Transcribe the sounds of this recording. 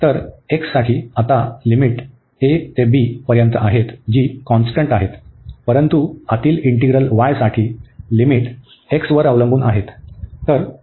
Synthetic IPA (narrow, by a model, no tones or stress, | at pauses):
t̪əɾeksːaʈʰiːat̪alimiʈ | et̪ebiːpəɾjənt̪əʔaɦet̪d͡ʑiːkɔ̃nsʈəɳʈaɦet̪pəɾənt̪uat̪iːliɳʈiɡɾəlʋajsaʈʰiːlimiʈ | eksʋəɾəʋlə̃ŋɡuːnʔaɦet̪ːəɾ